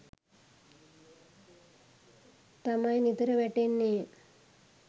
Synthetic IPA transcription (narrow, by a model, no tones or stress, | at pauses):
t̪amajnit̪əɾəʋɛʈenːe